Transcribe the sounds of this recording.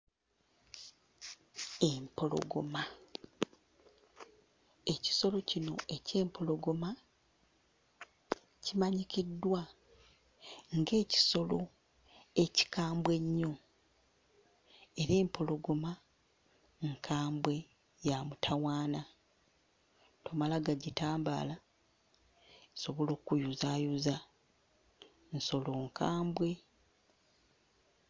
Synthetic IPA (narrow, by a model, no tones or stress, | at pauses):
empo̞lo̞̰ɡo̞̰ma | e̞ci̥so̞lo̞cino̞̰e̞ce̞ːmpʰo̞lo̞ɡo̞ma | cimaɲicidːwa | ŋɡe̞ːci̥so̞lo̞ | e̞ci̥kaːmbwe̞ɲːo̞ | eɾe̞ːmpo̞lo̞ɡo̞ma | ŋkʰaːmbwe̞ | jamutʰawaːna | to̞malaɡaɟitaːmba̰ːla | so̞βo̞lo̞ːkːujuzaːjuza | nso̞lo̞ːŋkaːmbwe̞